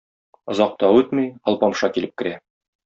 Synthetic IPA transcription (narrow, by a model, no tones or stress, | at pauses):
ŏzɑq̚t̪ɑʉt̪mijɒlˠpɑmʃɑkilɘp̚kɘ̆ɾæ